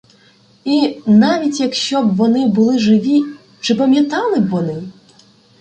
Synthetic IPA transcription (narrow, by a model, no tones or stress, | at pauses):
inaʋʲit͡sʲjɐkʃɕt͡ɕɔbʋɔnɪbɨlˠɪʐɪʋʲi | t͡ʂɨpɐmʲjɐt̪ɑlˠɨbʋɔnɪ